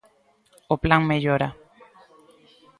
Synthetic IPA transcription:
oplaŋmeʎoɾa

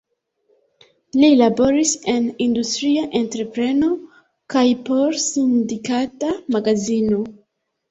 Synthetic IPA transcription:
lilabo̞ɾise̞nindustɾiaʔe̞ntɾe̞pɾe̞no̞ | kajpo̞ɾsindikatamaɡazino̞

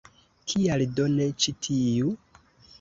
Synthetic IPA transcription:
kʰialdo̞net͡ʃitʰiju

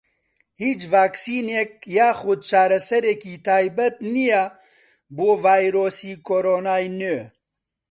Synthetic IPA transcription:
hiːt͡ʃvaːksiːnek̚jaːxʊd̪̚t͡ʃaːɾɐsɐɾekiːt̪ʰaːjbɐt̪nijɛ | boːvaːjɾoːsiːkʰoːɾoːnaːjnøː

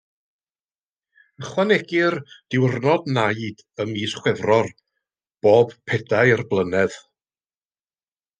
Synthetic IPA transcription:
əχwanɛɡɪrd̥ɪwrnɔdnajd | əmiːsχwɛvrɔr | b̥oːbpʰɛdaɨərblˠənɛð

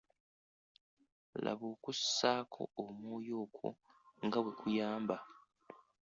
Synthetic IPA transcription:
la̰βoːkussaːkʰo̞̰omuːjoːkʰwo̰ŋɡaβwe̞kʰujaːmba

